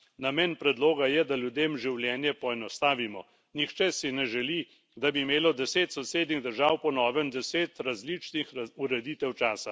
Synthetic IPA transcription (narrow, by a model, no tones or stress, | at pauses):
namɛːnpɾɛd̪loːɡajɛd̪alʲjud̪eːmʒiwljɛːnjɛpɔɛnɔst̪aːʋimɔ | nixt͡ʃɛsinɛʒɛli | d̪abiːmeːlɔd̪ɛseːt̪sɔseːd̪niɣd̪əɾʒaːwpɔnɔːʋɛnd̪ɛseːt̪ɾazlit͡ʃnixuɾɛd̪iːt̪ɛwt͡ʃaːsa